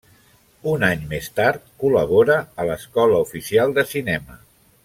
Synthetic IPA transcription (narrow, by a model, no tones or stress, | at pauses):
unaɲmest̪aɾt̪̚kuləβoɾəːləskɔləufisialˠd̪əsinɛmə